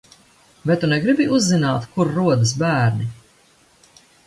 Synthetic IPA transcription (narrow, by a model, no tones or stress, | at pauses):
vɛjt̪ːunɛɡɾibiuzːinaːt̪kuɾːuɔd̪ɨs̬bæːɾni